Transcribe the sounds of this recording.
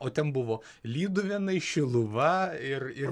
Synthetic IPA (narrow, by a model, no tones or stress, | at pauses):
oːt̪ʲɛnbʊʋoː | lʲiːd̪ʊʋʲɛnɐɪʃʲɪlˠʊʋɐɪrɪ